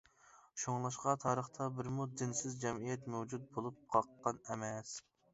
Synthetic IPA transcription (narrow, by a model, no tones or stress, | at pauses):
ʃoŋlˠɑʃqɑt̪ʰɑːɾəχt̪ʰɑbɪɾmud̪ɪnsɪzd͡ʒɛmijɛt̪mɛwd͡ʒut̪̚bolˠup̚qʰɑqːɑnɛmɛs